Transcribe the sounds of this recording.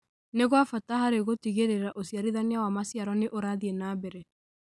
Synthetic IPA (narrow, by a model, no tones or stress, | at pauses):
neɣwafatahaɾeɣotiɣeɾeɾaʔosijaɾiðaneawamasijaɾɔneʔoɾaðienaːbɛɾɛ